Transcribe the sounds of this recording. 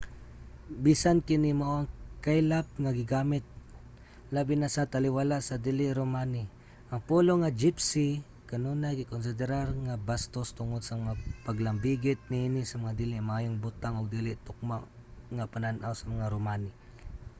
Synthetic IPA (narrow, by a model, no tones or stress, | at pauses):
bisankɪnimoʔoaŋkajlap̚ŋaɡɪɡamɪt̪̚ | labinasat̪alɪwalaʔsad̪ilɪʔɾomani | ʔaŋpuloŋad͡ʒɪpsi | kanonaɡɪkons̬ɪd̪ɪɾarŋabast̪ost̪ʊŋod̪samaŋapaɡlambiɡɪt̪̚niinɪsamaŋad̪ilɪʔmaaːjoŋbut̪aŋoɡ̚d̪ilɪʔt̪ʊk̚maʔ | ŋapananʔawsamaŋaɾomani